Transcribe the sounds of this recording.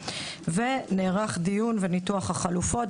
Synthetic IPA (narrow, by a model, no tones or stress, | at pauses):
veneːʁaχd̪ijunvenituaχhaχalufo̞t